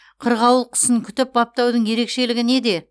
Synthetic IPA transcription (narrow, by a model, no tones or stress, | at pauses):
qʰəɾʁɑwəlˠqʰə̥səŋkʲʰʏt̪ɪp̚bɑp̚t̪ɑwd̪əɴje̞ɾe̞kʃe̞lɪɡʲɪne̞d̪e̞